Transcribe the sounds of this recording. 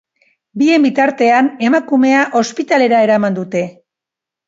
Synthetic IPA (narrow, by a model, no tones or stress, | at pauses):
bie̞mbit̪aɾt̪e̞ane̞makume̞aʔo̞spit̪ale̞ɾae̞ɾamand̪ut̪e̞